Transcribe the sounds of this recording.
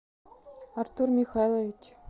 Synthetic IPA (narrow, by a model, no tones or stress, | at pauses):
ɑrt̪urmʲixalˠovʲit͡ɕ